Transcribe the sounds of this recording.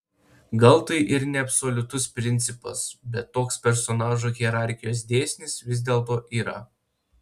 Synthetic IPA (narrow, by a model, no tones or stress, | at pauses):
ɡɐlˠt̪ɐɪʔɪɾnʲɛɐpʲsoːlʲʊt̪ʊspʲɾʲɪnʲt̪sʲɪpɐ̰sbʲɛt̪ːoːkspʲɛɾsɔnɑːʒuːɣʲiɛɾɑˑɾʲxʲɪjoːs̬d̪ʲeːsʲnʲɪsʋʲɪzʲd̪ʲeːlˠt̪̬oːʔiːɾɐ